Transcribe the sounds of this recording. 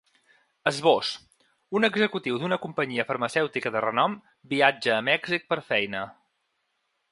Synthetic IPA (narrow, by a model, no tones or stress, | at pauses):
əzβos | unəɡzəkut̪iwd̪unəkumpəɲiəfəɾməsɛwt̪ikəðərənɔm | biad͡ʒəːmɛɡzik̚pəɾfɛjnə